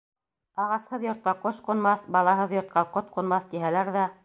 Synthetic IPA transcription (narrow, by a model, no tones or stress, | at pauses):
ɑʁɑshɤðjŏɾt̪̚qɑqoʃqŏnmɑθbɑlˠɑɦɤðjŏɾt̪̚qɑqot̪̚qŏnmɑθt̪iɦælæɾðæ